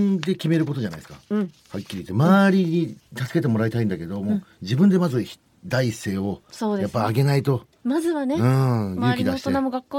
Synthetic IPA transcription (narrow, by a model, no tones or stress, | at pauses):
nd̪e̞kʲime̞ɾɯ̟ko̞t̪o̞d͡ʑanaisɨ̥kã | hakʲːiɾʲit̪ːemaːɾʲiɲit̪asɨ̥ke̞t̪̬e̞mo̞ɾait̪aĩnd̪ake̞d̪o̞mod͡ʑibɯ̟̃nd̪e̞mazɨçi̥ | d̪aise̞ːo̞soːd̪ejapːaaɡe̞nait̪o̞ | mazɨβaneɯ̃jɯːkʲid̪ai̥t̪oenamoɡakːoː